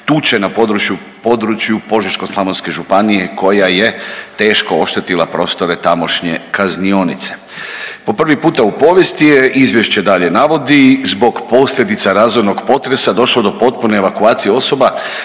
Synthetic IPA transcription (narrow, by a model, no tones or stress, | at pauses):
t̪ut͡ʃenapo̞d̪ɾut͡ʃjupo̞d̪ɾut͡ʃjupo̞ʒit͡ʃko̞slˠamonske̞ʒupanije̞ko̞jaje̞t̪e̞ːʃkoo̞ʃt̪et̪ilˠapɾo̞st̪o̞ɾe̞t̪amo̞ʃɲe̞̰kaznio̞nit̪se̥ | po̞pr̩ʋipuːt̪aupo̞ːʋje̞st̪ijeʔizʋjeʃt͡ɕe̞d̪aʎe̞naʋo̞d̪izbo̞ɡpo̞sʎʲe̞d̪it̪saɾaːzoɾno̞ɡpo̞t̪ɾe̞sad̪o̞ʃlod̪o̞po̞t̪̚pune̞ːʋakuaːt̪sijeo̞so̞ba